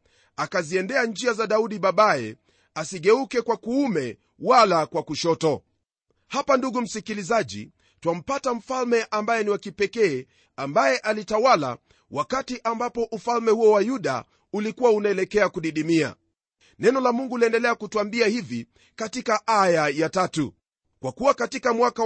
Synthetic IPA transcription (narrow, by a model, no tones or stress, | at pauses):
akaziɛndɛand͡ʒiazaɗauɗiɓaɓaɛ̰ | asiɠɛukɛkwakuumɛ | walakwakuʃɔtɔ | hapanduɡum̩sikilizaʄḭ | twam̩patam̩falmɛʔambajɛniwakipɛkɛː | ambajɛʔalitawala̰ | wʔakatiʔambapɔʔufalmɛhuɔwajuɗa̰ | ulikuwaunaɛlɛkɛakuɗiɗimia̰ | nɛnɔlamuŋɡuliɛndɛlɛakutuambiahivi | katikaʔajajatatu | kwakuwakatikamwaka